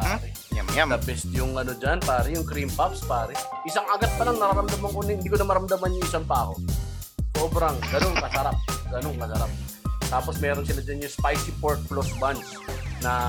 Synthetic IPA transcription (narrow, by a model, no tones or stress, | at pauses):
paɾɛ | d̪ɐbɛst̪jʊŋʔɐnod͡ʒanpaːɾɛjʊŋkɾimpapspaːɾɛʔɪsaŋʔɐɡat̪̚pɐlaŋnɐɾaɾɐmd̪ɐmaŋkonɪɪnd̪iːkonɐmɐɾɐmd̪ɐmanjʊŋʔɪsaŋpaːho̞ | so̞ːbɾɐŋɡɐno̞ŋkɐsɐɾap̚ɡɐno̞ŋkɐsɐɾap̚t̪aːpo̞smɛːɾonsɪlad͡ʒɐnjʊŋspajsipoɹt̪̚flosbant͡ʃ | nɐ